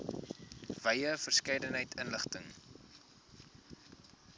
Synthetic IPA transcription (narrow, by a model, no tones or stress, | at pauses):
vɐjəfərskɛjdənɦəjtʰənləχtəŋ